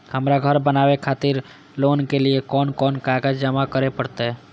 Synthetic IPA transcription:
həmɾaɡʱəɾbənaːwekʰaːt̪ɪɾ | loːnkeliekɔːnkɔːnkaːɡd͡ʒd͡ʒəmakəɾepəɽt̪eɦɛː

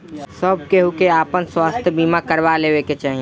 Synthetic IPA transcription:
səb̚keɦukeaːpənswaːst̪ʰjbiːmakəɾwaleːweket͡ʃaːɦi

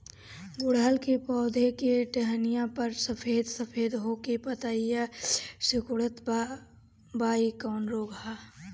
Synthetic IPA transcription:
bʊɽ̤aːlkepɔːd̪ʱekeʈɛɦnijãpəɾsəpʰeːd̪səpʰeːd̪ɦoːkepət̪aijasɪkʊɽət̪ | baːikaːnɾoːɡaː

